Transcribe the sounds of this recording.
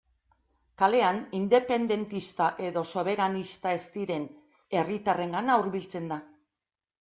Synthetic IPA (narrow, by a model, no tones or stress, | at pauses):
kale̞anind̪e̞pe̞nd̪e̞nt̪ist̪aʔe̞ðo̞so̞β̞e̞ɾanist̪ae̞st̪iɾe̞n | e̞rit̪are̞ŋɡanauɾβilt͡se̞nd̪a